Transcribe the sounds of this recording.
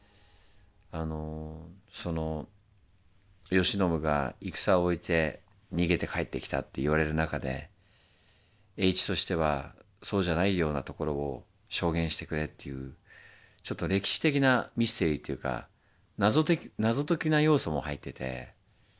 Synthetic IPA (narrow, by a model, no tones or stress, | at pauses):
ano̞so̞no̞ | jo̞ɕino̞mɯ̟ɡa̰ikɯ̟̥saoit̪ʰe̞ | ɲ̟iɡe̞t̪e̞kʰaet̪ːe̞kʲi̥t̪a̰t̪ːe̞iβ̞aɾe̞ɾɯ̟nakad̪e̞̰ | e̞it͡ɕi̥t̪o̞ɕi̥t̪e̞β̞a̰ | so̞ːʑanaijo̞ːnat̪o̞ko̞ɾo̞ː | ɕo̞ːɡẽ̞ɰ̃ɕi̥t̪e̞kɯ̟ɾe̞t̪ːe̞jɯ̟ː | t͡ɕo̞t̪ːoɾe̞kʲi̥ɕi̥t̪e̞kʲinamʲist̪e̞ɾʲit̪ːejɯ̟ːka̰ | nazot̪enazo̞t̪o̞kʲinajo̞ːso̞mo̞hait̪ːe̞t̪e̞̰